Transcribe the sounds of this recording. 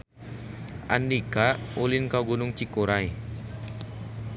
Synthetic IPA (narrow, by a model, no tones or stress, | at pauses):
ʔa̰ndikaulinkawɡunʊŋt͡ʃikuɾaj